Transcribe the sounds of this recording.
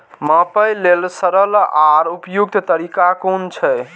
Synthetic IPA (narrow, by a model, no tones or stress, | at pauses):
mãpəjlelsəɾəlaɾupjuɡ̚t̪t̪əɾikakont͡ʃʰɛj